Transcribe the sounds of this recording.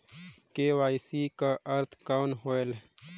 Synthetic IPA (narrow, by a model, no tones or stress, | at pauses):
kewaːjsikaʔɐɾt̪ʰkaːwnɦoːel